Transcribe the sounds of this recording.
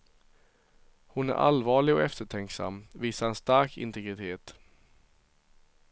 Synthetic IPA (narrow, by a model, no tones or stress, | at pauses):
hʊnæ̰ɾʔa̰lvɑːɭɪɡɔ̰ʔɛft̪əʈʰɛŋksa̰mːviːsaɾɛnst̪aɾkɪ̰nt̪ɛɡɾɪt̪ʰeːt̪